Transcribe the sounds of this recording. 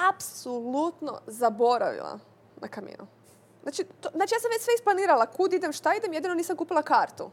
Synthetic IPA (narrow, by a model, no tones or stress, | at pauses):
apsolut̪no̰zabo̞ɾa̰ʋḭlˠa̰ | nakamḭːnu | znaːt͡ʃit̪oznaːt͡ʃijaːsamʋet͡ɕsʋeisplˠaniːɾalakud̪id̪emʃt̪aid̪emjed̪ino̞niːsamkuːpilakaːɾt̪ṵ